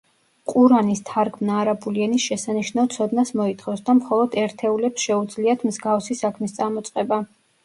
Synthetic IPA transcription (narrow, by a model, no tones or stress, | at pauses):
qʼuɾanist̪ʰaɾɡʰmnaːɾabuliɛnisʃɛsaniʃnavt̪sʰɔd̪nasmɔit̪ʰχɔsd̪amχɔlˠɔd̪ɛɾt̪ʰɛulɛpsʃɛud̪zliat̪ʰmzɡafsisakʰmist̪sʼamɔt̪sʼqʼɛba